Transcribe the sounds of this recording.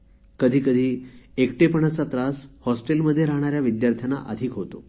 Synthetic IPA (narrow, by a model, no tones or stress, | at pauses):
kəd̪ʱiːkəd̪ʱiːekʈepəɳat͡sat̪ɾashɔsʈelməd̪ʱːjeɾaɦɳ̃aɾjaʋid̪jaɾt̪ʰjana̰ʔəd̪ʱiːkɦot̪o̰